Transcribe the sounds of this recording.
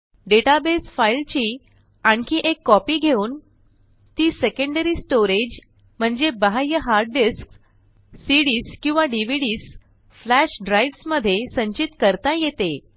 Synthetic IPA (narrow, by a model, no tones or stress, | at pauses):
ɖeʈabesfailt͡ɕiː | aɳkiːʔekːɔpiːɡʱeuːn | t̪iːsekə̃ɳɖəɾiːsʈoɾed͡ʑ | m̤əɳd͡zebəɦajəɦaɾɖɖisk | siɽiːskĩw̃ʋaɖiʋ̤iɽiːs | flæɕɖɾajʋsməd̪ʱːjesəɲt͡ɕit̪kəɾt̪ajet̪e